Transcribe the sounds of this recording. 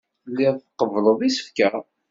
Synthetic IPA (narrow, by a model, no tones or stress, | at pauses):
lːiðˤqːəvləðˤisə̥fkæ